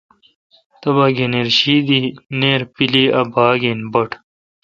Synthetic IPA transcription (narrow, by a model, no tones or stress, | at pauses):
t̪ɐbaːɡeneːɾɕiːd̪iːneːɾpiliːɐbʱaːɡeːnbɐʈʰ